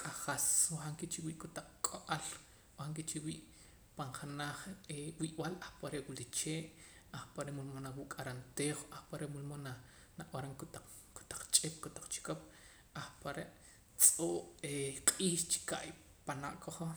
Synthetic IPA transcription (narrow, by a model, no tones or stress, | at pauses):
kʼaχaswohaŋkit͡ʃiwiʔkot̪aq͡χkʼoʔal | haŋk̬it͡ʃiwiːʔ | paɴχanaχewiʔwalahpaɾeʔwilit͡ʃeːʔ | aχpaɾeʔmulmonawuʔkʼaɾant̪eːχoʔahpaɾeʔmulmona | naʔwaɾaŋkt̪a | ko̥t̪ḁq͡χt͡ʃʼep̚kot̪ḁq͡χt͡ʃi̥kop̚ | axpaɾeʔ | t͡sʼoːʔeqʼiːʃt͡ʃi̥kaʔjpana̰ʔkoχo